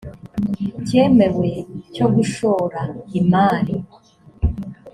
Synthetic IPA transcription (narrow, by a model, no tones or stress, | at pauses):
ce̞ːme̞we̞co̞ɡuʃo̞ːɾaimaːli